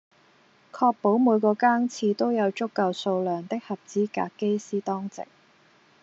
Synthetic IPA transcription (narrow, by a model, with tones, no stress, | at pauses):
kʰɔː˧k̚po˨˥wmuː˨˧jkɔː˧kaː˥ŋt͡sʰiː˧t̪o˥wjɐ˨˧wt͡ʃʊ˥kːɐ˧wso˧wlœː˨˩ŋt̪ɪ˥k̚hɐ˨p̚t͡siː˨˥ka̰ː˧kkːe˥jsiː˥t̪ɔː˥ŋt͡sɪ̰˨k̚